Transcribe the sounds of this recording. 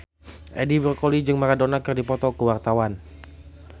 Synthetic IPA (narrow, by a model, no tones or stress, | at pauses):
ʔɛdibɾɔkolid͡ʒɨŋmaɾadonakɨrdipɔt̪ɔkəwart̪awan